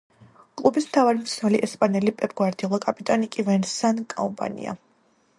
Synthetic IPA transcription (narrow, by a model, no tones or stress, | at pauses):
kʼlˠubismt̪ʰavaɾimt̪sʰnɛliʔɛspʼanɛlipʼɛpʼɡwaɾd̪ilˠakʼapʼit̪ʼanikʼivɛnsankʼɔ̰mpʼa̰nḭa̰